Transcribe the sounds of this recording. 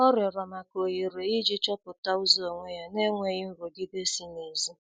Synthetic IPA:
ɔ˦ɾjɔ˨ɾɔ˨ma˨ko˨ji˨ɾe˨i˦d͡ʒi˦t͡ʃɔ˦pʊ˨ta˦u˦zo˨ŋʷe˦ja˦ne˦ŋʷe˦ɣɪ˦m̩˦ɾo˨ɡi˦de˦si˦ne˨zi˦

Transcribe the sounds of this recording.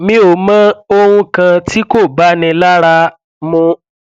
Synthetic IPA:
mĩ˧˦o˨mã˦o˧hũ˧kã˧tʰi˦ko˦˨ba˨˦nĩ˧la˦ɾa˧ | mũ˧

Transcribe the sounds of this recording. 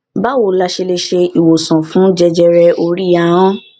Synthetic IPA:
ba˦wo˨la˧ʃe˧le˧ʃe˧i˨wo˨sɔ̃˨fũ˨˦d͡ʒɛ˧d͡ʒɛ˧ɾɛ˧o˧ɾi˦a˦˧˦ɔ̃˦

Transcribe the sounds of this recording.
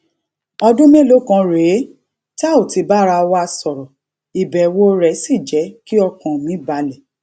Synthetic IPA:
ɔ˧dũ˦mẽ˦lo˨˦kã˧ɾe˨˦ | ta˦˨o˨ti˧˦ba˦ɾa˧wa˦a˧sɔ˨ɾɔ˨ | i˨bɛ˨wo˦ɾɛ˨˦si˦˨d͡ʒɛ˨˦ki˦ɔ˧kã˨mĩ˨˦ba˧lɛ˨

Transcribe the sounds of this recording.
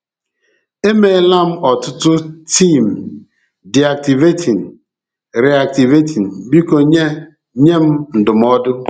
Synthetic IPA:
e˦me˨˦la˦m̩˦ɔ˨tʊ˦tʊ˦ti˦˨m̩˨ | di˨a˨k̚ti˨ve˦tʰi˨n̩˨ | ɾe˨a˨k̚ti˨ve˦tʰi˨n̩˨bi˦ko˨ɲe˦ | ɲe˦m̩˦n̩˨dʊ˨m˦ɔ˦dʊ˦

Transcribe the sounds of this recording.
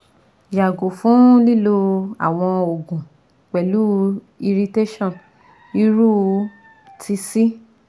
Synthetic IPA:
ja˨ɡo˨fũ˨˦li˦lo˧a̰˨w̃ɔ̃˧o˨ɡũ˨ | k͡pɛ˨lu˨˦ | i˧ɾi˧te˦ʃɔ̃˦˨n | i˧˦ɾu˦ | tʰi˧si˦

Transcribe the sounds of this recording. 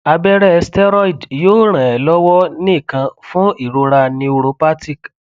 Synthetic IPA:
a˧bɛ˦ɾɛ˦˧stɛ˦ɾɔ˦i˨djoː˦ɾ̃ã˨ɛ˨lɔ˦wɔ˦nĩ˦i˦˨kã˧fũ˦i˦˨ɾo˧ɾa˧nĩ˧u˧ɾo˧pa˦ti˦˨k

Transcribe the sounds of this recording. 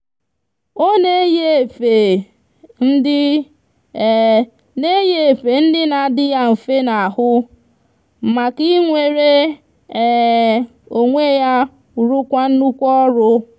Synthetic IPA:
o˦ne˦je˦˨fe˨ | n̩˦dɪ˦˨ | ne˦je˦e˨fe˨n̩˦dɪ˦na˨dɪ˦ja˦m̩˨fe˦na˨a˨hʊ˦˨ | ma˨ki˦ŋʷe˨ɾe˦˨ | o˨ŋʷe˦ja˦ | u˨ɾu˦kʷa˦n̩˦nu˦kʷɔ˦ɾʊ˦

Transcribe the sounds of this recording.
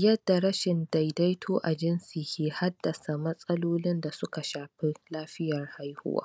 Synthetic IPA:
jɐ˦dːa˨ɾɐ˦ʃɪ˨nda˨jda˦jtʰoː˦ʔa˨d͡ʒɪ˦nsiː˨kʲiː˨ha˦dːɐ˨sa˨mɐ˦sʼɐ˦loː˦lɪ˦nda˨sʊ˦ka˨ʃaː˨ɸe˦laː˦ɸɪ˦jɐ˨rha˦jhʊ̰˦wa̰ː˦

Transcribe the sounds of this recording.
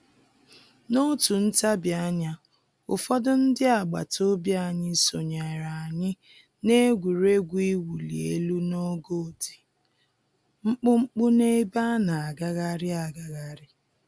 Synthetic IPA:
no˦tu˨n̩˦ta˦bja˦ɲa˦ | ʊ̰˨fɔ˦dʊ˦n̩˦dɪ˦a˨ɡ͡ba̰˨to˦bja˦˨ɲɪ˦so˨ɲa˨ɾa˨a˨ɲɪ˦ | ne˦ɡʷu˨ɾe˦ɡʷi˦wu˨lḭ˨ḛ˦lu˦no˦ɡo˦˨di˨ | ŋ͡m̩˦k͡pʊ˦ŋ͡m̩˦k͡pʊ˦ne˦ba˦na˨a˨ɡa˦ɣa˦ɾɪ˦a˨ɡa˨ɣa˦ɾɪ˦

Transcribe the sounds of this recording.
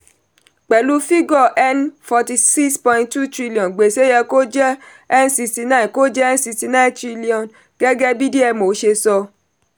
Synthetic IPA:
k͡pɛ˨lu˦fi˦ɡɔ˦˧˨ʔɛ˦nfɔ˧ti˧si˦kspɔ̃˧ĩ˧tu˦˨tɾi˦li˨ɔ̃˨nɡ͡be˨se˦jɛ˧ko˦d͡ʒɛ˦ | ɛ˦nsi˧sti˧nã˦˨ko˦d͡ʒɛ˦ɛ˦n˦si˧sti˧nã˦ĩ˨tɾi˦li˦ɔ̃˨n | ɡ̥ɛ˦ɡɛ˦bi˦di˦ɛ˧mo˨˦ʃe˧sɔ˧

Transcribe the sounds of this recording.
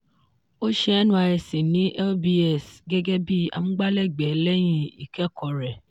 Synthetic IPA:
o˦ʃɛ˧ɛ˦nũ˦a˧ɛ˧sĩ˨nĩ˨˦ʔɛ˦bi˧ɛ˨sɡɛ˦ɡɛ˦bi˦a̰˧mũ˦ɡ͡ba˦lɛ˦˨ɡ͡bɛ˨˦lɛ˦j̃ĩ˦i˨kɛ˦˨kʰɔ˨ɾɛ˨

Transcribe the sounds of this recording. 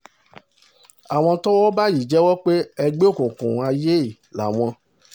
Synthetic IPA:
a˨w̃ɔ̃˧tɔ˦wɔ˦ba˦ji˨d͡ʒɛ˦wɔ˦k͡pe˦ɛ˧ɡ͡be˦o˦˨kũ˨kṵ̃˨a˧je˦˨ | la̰˨w̃ɔ̃˧

